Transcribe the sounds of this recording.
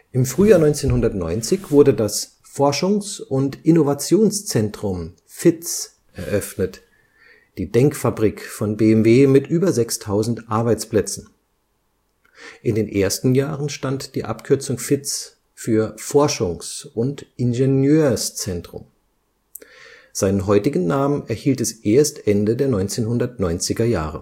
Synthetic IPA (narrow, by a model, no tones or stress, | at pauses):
ʔɪmfʁ̥yːjaːnɔʏnt͡seːnɦʊndɐtnɔ̰ʏnt͡sɪçv̥ʊɐdədas | fɔɐʃʊŋsʔʊntʔɪnovat͡sjoːnst͡sɛntʁ̥ʊm | fɪt͡s | ʔɛɐʔœfnət | d̥iːdɛŋkfabʁiːkfɔnbeːɛmveːmɪtʔyːbɐzɛkstʰaʊzn̩tʔaɐbaɪt͡splɛt͡sn̩ | ʔɪndeːnʔeːɐstn̩jaːʁənʃtantd̥iːʔa̰pkʰʏɐt͡sʊŋfɪt͡s | fyːɐfɔɐʃʊŋsʔʊntʔɪnʒenjøːɐst͡sɛntʁ̥ʊ̰m | z̥aɪnənɦɔʏtɪɡn̩naːmənɛɐhiːltɛsʔeːɐstʔɛndədeːɐnɔʏnt͡seːnhʊndɐtnɔʏnt͡sɪɡɐja̰ːʁə̰